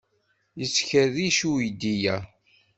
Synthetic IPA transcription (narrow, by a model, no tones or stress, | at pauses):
jəsçəðiʃujd̪ijæ